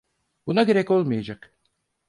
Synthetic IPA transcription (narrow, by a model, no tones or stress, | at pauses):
bunaɟeɾɛco̞lˠmajad͡ʒak